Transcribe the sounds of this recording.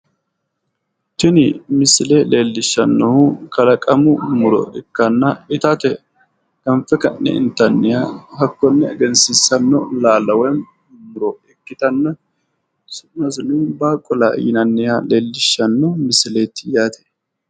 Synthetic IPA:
t̪ɪnɪmɪsɪlele̞ːlːɪʃːɐnːɔhukɐlɐkʼɐmʊmʊɾɔ̰ʔɛkːɐnːɐɪt̪ɐt̪ɛ | ɡ̥ɐmfɛkɐnːɛ̰ɪ̰nt̪ɐnːɪjaːhɐkːɔnːɛɐɡɛnsɪsɐnːɔ̰laːlɐwɛm | mʊɾɔɛkːɪt̪ɐnːɐ | sʊnɐsnɪbaːkʼːɔla̰ːjɪnɐnːɪjale̞ːlːɪʃːɐnːɔmɪsɪleːt̪ːɪjaːt̪ʰɛ̥

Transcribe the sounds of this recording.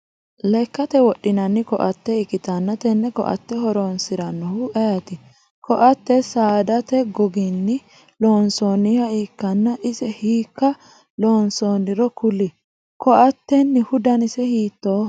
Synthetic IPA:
lɛkːɐt̪ɛwɔɗːɪnɐnːɪkɔʔɐt̪ːɛɪkɪt̪ɐnːɐt̪ɛnːɛkɔ̰ʔɐ̰t̪ːɛɦɔɾoːnsɪɾɐnːɔhʊʔɐjɐt̪ɪ | kɔʔɐt̪ːɛsaːd̪ɐt̪ɛɡɔɡinːɪ | loːnsoːnːihɐiːkːɐnːɐʔɪsɛhiːkːɐ | loːnsoːnːɪɾɔkʊlɪ | kɔʔɐt̪ːɛnːɪhʊd̪ɐnɪsɛhiːt̪ːoː

